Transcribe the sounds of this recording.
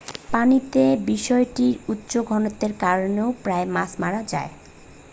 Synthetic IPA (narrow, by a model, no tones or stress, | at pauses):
panit̪ebiʃɔeʈiɾutːɕoɡʱɔnot̪ːeɾkaɾoneopɾaemasmaɾad͡ʑa̰e